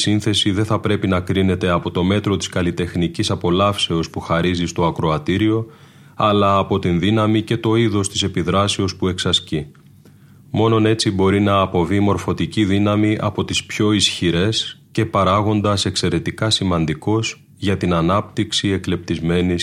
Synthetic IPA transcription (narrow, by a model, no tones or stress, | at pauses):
sinθe̞siðe̞θɐpɾe̞pinɐkɾine̞t̪e̞ɐpo̞t̪o̞me̞t̪ɾo̞t̪i̥skɐlit̪e̞xnicisɐpo̞lɐfse̞o̞spuxɐɾizist̪o̞ɐkɾoɐt̪iɾio̞ | ɐlɐːpo̞t̪inðinɐmice̞t̪o̞iðo̞st̪ise̞piðɾɐseo̞spue̞ksɐsci | mo̞no̞ne̞t͡sibo̞ɾinɐːpo̞vimo̞ɾfo̞t̪iciðinɐmiʔɐpo̞t̪ispço̞isçiɾe̞sce̞pɐɾɐɣo̞nd̪ɐse̞kse̞ɾe̞t̪ikɐsimɐnd̪iko̞s | ʝɐt̪inɐnɐp̚t̪iksie̞kle̞p̚t̪izme̞ni